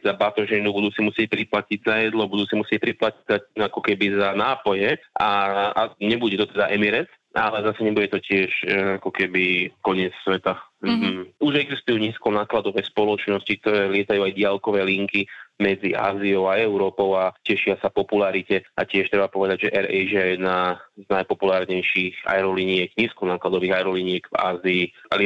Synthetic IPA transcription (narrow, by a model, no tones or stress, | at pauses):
zabat̪ɔʒɛnubud̪uːsimusɪɛc̚pɾiplaciɟzajɛd̪lɔbud̪uːsimusɪɛc̚pɾiplacizaakɔkɛbizanaːpɔjɛʔaaɲɛbuɟɛt̪ɔt̪ɛd̪aʔɛmiɾɛt | ʔalɛzasɛɲɛbuɟɛt̪ɔcɪɛʃakɔkɛbikɔɲɪɛt͡ssʋɛt̪am̩ːuʒɛɡzist̪ujuːɲiːskɔnaːklad̪ɔʋɛːspɔlɔt͡ʃnɔscik̚t̪ɔɾɛːlɪɛt̪ajuːajɟɪalkɔʋɛːliŋkimɛd͡zia̰ːziɔʊaɛʊɾɔːpɔʊacɛʃɪasapɔpulaɾicɛacɪɛʃt̪ɾɛbapɔʋɛd̪aɟʒɛʔɛɾɛʒɛjɛd̪naznajpɔpulaːɾɲɛjʃixa̰ɛɾɔliɲɪɛɡɲiːskɔnaːklad̪ɔʋiːɣaɛɾɔliɲɪɛɡva̰ːziːal